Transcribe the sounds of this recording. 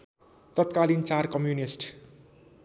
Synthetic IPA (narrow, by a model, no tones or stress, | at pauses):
t̪ʌt̪̚kalint͡sarkʌmjunisʈ